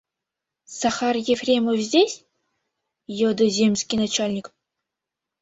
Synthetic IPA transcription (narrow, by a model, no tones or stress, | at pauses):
saxɑrjefrʲemofzʲdʲesʲ | jod̪ɤzʲemʲsʲkʲijnat͡ɕalʲnʲik